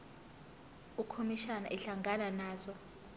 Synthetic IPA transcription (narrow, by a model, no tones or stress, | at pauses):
ukʰomiʃana̰ʔɛɬaŋɡʱananaːzɔ